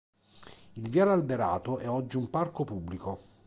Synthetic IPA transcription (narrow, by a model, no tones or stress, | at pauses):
ilvjalalbeɾa̰ːt̪oʔɛɔd͡ʒːiumparkopubːliko